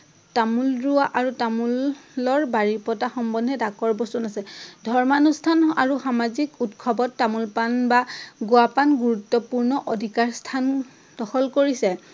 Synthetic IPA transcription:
tamulɹuaʔaɹutamulɔɹbaɹipɔtaxɔmbɔdʱɛdakɔɹbɔstunasɛdʱɔɹmanustʰana̰ɹuxamazikutkʰɔbɔtːamulpanbaɡuapanɡuɹutːɔpuɹnɔʔodʱikaɹstʰan | d̥ɔxɔlkoɹisɛ

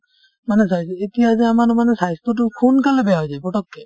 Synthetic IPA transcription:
manɛsajsetijazɛamanmanɛsajstɔtʊkʰunkalɛbɛjaɦɔjzajpɹɔtɔkːɛ

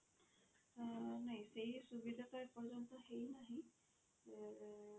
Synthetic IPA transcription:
najsejsubidʱataɹpɔɹzɔnt̪ɔhejnaɦĩ

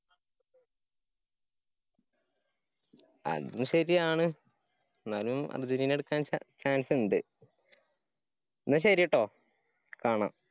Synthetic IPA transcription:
ɐ̰ðumɕɐɾijaːɳɨ | enːaːlumɐ̰rd͡ʑuniːneɽukːaːnt͡ɕaːnsɨuɳɖɨ | nːɨɕ̬ɐɾijiʈːo̞ː | kaːɳa̰m

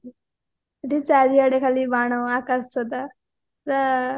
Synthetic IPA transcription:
əʈit͡saɾiaɽekʰaliːbaɽ̃əakassɔd̪a | ɾa

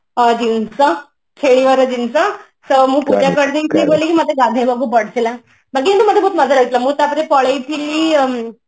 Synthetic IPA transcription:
əd͡ʑinsə | kʰeɭiʋəɾəd͡ʑinsa | səməːpud͡ʑjakəɽd̪inkʰeɡolekiːmət̪ʰeɡad̪ʱẽbəɡuːpəɽ̤sela | bak̬iːnit̪uːməd̪ʱaboːt̪məd͡zʱalaɡət̪laməːt̪apɾepəɭəit̪ʰiliː

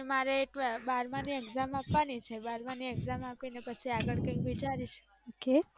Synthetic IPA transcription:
emaɾeːʈʋabaɾmanieɡzamapʋanit͡ʃʰebaɾmanieɡzamapinepət͡ʃʰiaɡəɭkə̃ikʋit͡ʃaɾit͡ʃʰe̥ | oke

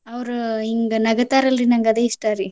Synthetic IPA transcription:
ɐʋɾuiŋɡɐnɐɡɐt̪aːɾɐlːinɐŋɡɐd̪eːiʂʈaːɾi

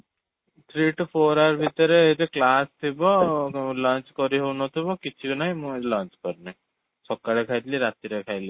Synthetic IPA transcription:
t̪ʰɾiːʈupʰoːɾaɾbʱit̪ɔɾeɦet̪eklaːst̪ʰibɔlãːnt͡ʃkɔɾiɦonɔt̪ʰibɔkit͡ʃʰiɡinajmũlãːnt͡ʃkɔɾnaj | sɔkːaɽekʰajt̪liɾat̪iɾekʰajli

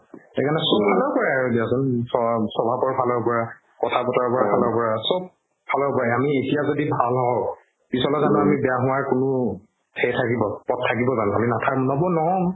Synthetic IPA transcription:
ekanɛsunbʱalɔɹpɔɹaaɹudiasɔnsɔsɔbʱapɔɹbʱalɔɹpɔɹa | kɔtʰapɔtaɹpɔɹabʱalɔɹpɔɹasɔb̚ | bʰʱalɔɹpɔɹaamietijazodibʱalɦɔw | pisɔlɔzanɔamibɛjaɦʊ̃waɹkʊnʊ | tʰɛjtʰakibɔpɔt̚tʰːakibɔzanaminatʰakmunɔbɔnɔɔ

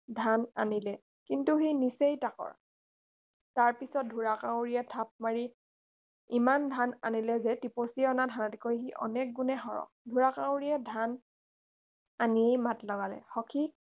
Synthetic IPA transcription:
dʱananilɛ | kintuɦejnisejtakɔ̰ɹ | taɹpisɔt̚dʱuɹakãwɹijɛtʰap̚maɹi | imandʱana̰nilɛzɛtiposiɛɔnadʱanɔtkojɦiʔɔ̰nɛk̚ɡunɛɦɔɹɔ̰ | dʱuɹakãwɹiɛdʱan | aniejmatlɔɡalɛ̰hɔkʰi

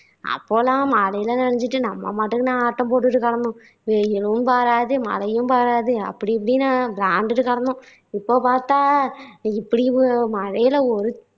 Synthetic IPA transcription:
ɐ̰pːoːlãːmaːlɐjɪlɐnɐɳɐɲd͡ʒɪʈːɯnɐmːɐ̰maːʈːɯkːɯnãːaːʈːɐ̃mpoːʈ̬ːɯʈːɯkɐɽɐnd̪ʊ̃ | ʋejɪlɯmpaːɾaːðɯmɐ̰lɐjɯ̃mpaːɾaːðɯɐ̰pːɐɽip̬ːɐɽinãːblaːɳɖɯʈːɯkɐɽɐnd̪ʊ̃ | ɪpːoːpaːɾt̪ãːɪpːɐɽimɐɻɐjɪlɐɔɾɯ

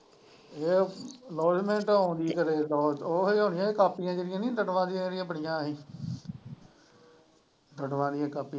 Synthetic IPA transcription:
eːlɔːd͡ʒmẽːɳʈɦõːnd̪iːkəɾeːlɔːoːɦeːɦoːnɪjãːeːkaːpːijãːd͡ʒəɾɪjãːnĩːd̪əʈʋãːd̪ɪjãːd͡ʒəɾɪjãːbəɽɪjãːɦĩː | d̪əʈʋãːd̪ɪjãːkaːpːiã

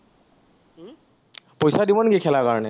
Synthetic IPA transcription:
pojsadibɔnɡikʰɛlakaɹɔnɛ

